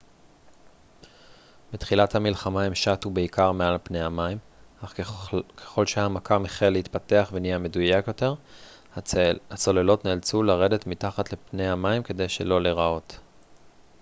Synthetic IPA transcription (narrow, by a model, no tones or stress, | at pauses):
betχilathamilχamaemʃatubeikaʁmealpne̞jhamaim | aχkʰeχo̞lʃehamakamiχelːehit̪pateaχvenijeme̞dujakjo̞te̞ʁ | at͡so̞lelo̞tneːlt͡sulaʁe̞de̞t̪mitaχatlepnejamaimke̞de̞jʃe̞̰lo̞leʁao̞t